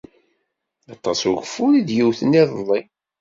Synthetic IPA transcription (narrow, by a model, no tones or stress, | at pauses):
ɑt̪ˤːɑsuʝəfːuɾid̪jiwθəniðˤəlˤːi